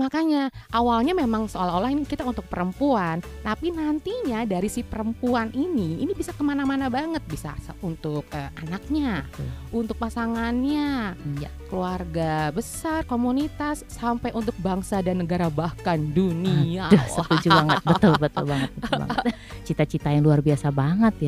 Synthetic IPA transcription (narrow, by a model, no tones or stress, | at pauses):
makaɲaʔawalɲamemaŋsəolaɦolahinikit̪aunt̪ʊk̚pəɾəmpuan | t̪apinant̪iɲadaɾisihpəɾəmpuanʔiniːnibisakəmanamanabaŋət̪̚bisa̰sunt̪ʊk̚əmanak̚ɲaunt̪ʊk̚pasaŋanɲajakəluarɡabəsarkomunit̪asːampajʔunt̪ʊk̚baŋsadanːəɡaɾabahkanduniadɔhsət̪ud͡ʒubaŋəbət̪ʊlbət̪ʊ̰lbaŋət̪̚bət̪ba̰ŋ | t͡ʃit̪at͡ʃit̪ajaŋluarbiasabaŋət̪ja